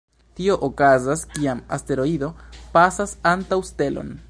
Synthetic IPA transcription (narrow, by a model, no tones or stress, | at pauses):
tio̞ʔokazaskiama̰ste̞ɾo̞id̪o̞pasasantawste̞lo̞̰n